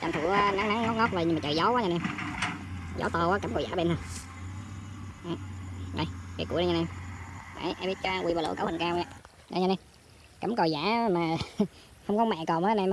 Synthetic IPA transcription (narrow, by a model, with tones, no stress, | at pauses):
t͡ɕa̰˨˩nt̪ʰɨ̰˧˩˧na˨˦ŋna˨˦ŋŋɔ˦˥t̚ŋɔ˦˥t̚vaː˨˩jɲɨ˧ma˨t͡ɕəː˨˩jzɔ˨˦waː˨˦ɲa˧nɛ˧m | zɔ̰˨˦t̪ə˨˩waː˨˦ka˧˩mkɔ˨˩jzaː˧˥ɓe˧nh̪ə˧w | ʔɨ˨˩ə˧˩jvḭ˨˩kṵ˧˥˦ə˧ɲa˧nɛ˧mʔa̰˧˨˦jʔɛ˧mɓi˦˥t̚t͡ɕɔ˧wi˧˩ɓaː˨˩lɨ̰˧˨˦kə̰ː˧˦hï˨˩ŋ̟kaː˧wɲa̰˧˨ | a̰˧˩ɲa˧nɛ˧m | ka˨˩˦mkə˨˩za̰ː˧˩˥maː˨˩ | hə˧wŋ͡mkɔ˨˦mɛ̰˧˨kɔ˨˩maː˨˦˨m˧